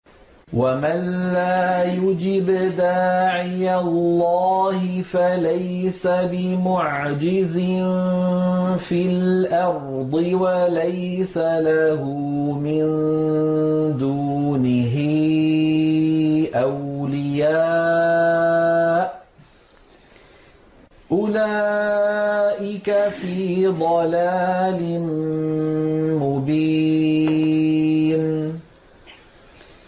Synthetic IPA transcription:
wamanːaːjʊd͡ʒɪbd̪aːʕɪjallːɑːhɪfalajsabɪmʊʕd͡ʒɪzɪnn | filʔɑɾd̪ˤɨwalaj | salaɦʊ | mɪn | d̪uːnɪɦɪ | ʔawlɪja | ʔ | ʔʊlaː | ʔɪkafiːd̪ˤɑlaːlɪn | mʊbiː | n

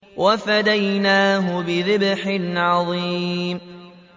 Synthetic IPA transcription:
wʔafad̪ajnaːɦʊbɪðɪbħɪnʕɑðˤiːm

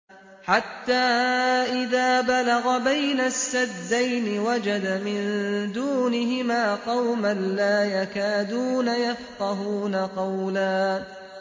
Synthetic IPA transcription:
ħat̪ːaːʔɪðaːbalaɣabajnasːad̪ːajnɪwad͡ʒad̪amɪnd̪uːnɪɦɪmaːqɑwmanlaːjakaːd̪uːnajafqɑɦuːnaqɑwlaː

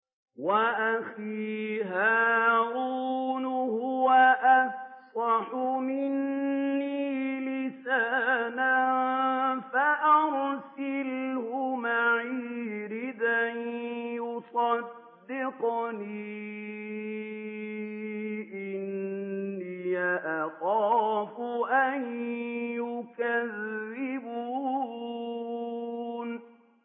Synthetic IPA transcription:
waʔaxiːɦaːɾuːnʊhʊwaʔafsˤɑħʊmɪnːiiːlɪsaːnannfaʔɑɾsɪlhʊmaʕiːɾɪd̪anjʊsˤɑd̪ːɪqniː | ʔɪnː | iːaʔaxɑːfʊʔanjʊkaðːɪbuː | n

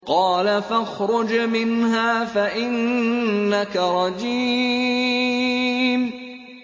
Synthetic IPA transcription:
qɑːlafaxɾˤʊd͡ʒmɪnhaːfaʔɪnː | akaɾˤɑd͡ʒiː | m

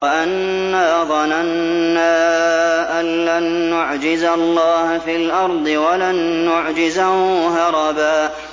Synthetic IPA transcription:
aʔanː | aːðˤɑnanː | aːʔanlanːʊʕd͡ʒɪzalːɑːhfiːlʔɑɾˤd̪ˤɨwalanːʊʕd͡ʒɪzahɦɑɾˤɑbaː

